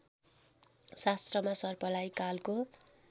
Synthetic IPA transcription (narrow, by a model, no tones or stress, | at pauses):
sast̪rʌmasʌrpʌlajkalko